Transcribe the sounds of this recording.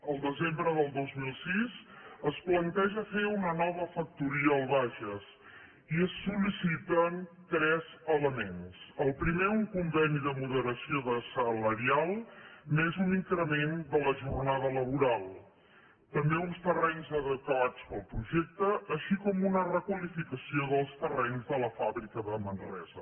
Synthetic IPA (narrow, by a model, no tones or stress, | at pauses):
əlˠd̪əzembɾəðəlˠd̪ozmilˠsizəsplənt̪ɛʒəfeunənɔβ̞əfək̚t̪uɾiəːlˠβaʒəs | iəsːulisit̪ənt̪ɾɛzələmensəlˠpɾimeuŋkumbɛniðəmuðəɾəsioðəsələɾialˠmezuniŋkɾəmend̪ələʒurnaðələβ̞uɾalˠ | t̪əmbeunst̪ərɛɲzəðəkwat͡spəlˠpɾuʒɛk̚t̪əːʃikɔmunərəkwəlifikəsioðəlˠst̪ərɛɲzðələfaβɾikəðəmənrɛ̰zə